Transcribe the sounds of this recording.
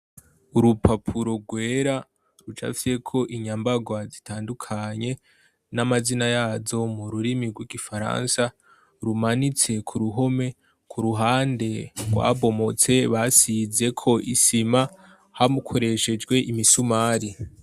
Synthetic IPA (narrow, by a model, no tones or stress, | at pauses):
uɾupʰapʰuɾo̞ɡwe̞ɾa | ɾut͡ʃa̰fise̞kʰo̞ʔiɲambaɡwazitʰaːndukʰaɲe̞ | namazinajaːzo̞muɾuɾimiɡwiɡifaɾa̰nsa | ɾumanit͡se̞kʰuɾuɦo̞me̞ | kʰuɾuɦaːnde̞ɡwa̰βo̞mo̞t͡se̞βasize̞kʰo̞ʔisima | hamukʰo̞ɾe̞ʃe̞d͡ʒɡwe̞ʔimisumaːɾi